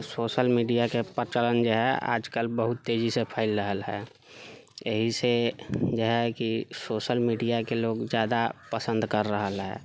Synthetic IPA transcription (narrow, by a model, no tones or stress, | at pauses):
soːʃəlmiːɖijakepəɾt͡ʃələnd͡ʒoɦɛʔa̰ːd͡ʒkəlbəɦʊt̪ːeːd͡ʒisepʰaːɪlɾəɦəlɦɛ̰ː | jəɦised͡ʒoɦɛkisoːʃəlmiːɖijakeloːɡzjaːd̪apəsə̃nd̪kəɾːəɦəlɦɛ̰ː